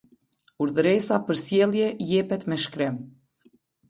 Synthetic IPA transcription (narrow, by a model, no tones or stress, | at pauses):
uɾðɾɛsapəɾsjɛlˠjɛjɛpɛt̪mɛʃkɾɪm